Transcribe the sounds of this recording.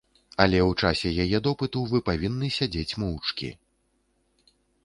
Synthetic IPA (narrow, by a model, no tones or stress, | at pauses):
ɐlʲɛwt͡ʂasʲɛjajɛd̪ɔpɨt̪uwvɨpavʲinːɨsʲad͡zʲet͡sʲmuwt͡ʂkʲḭ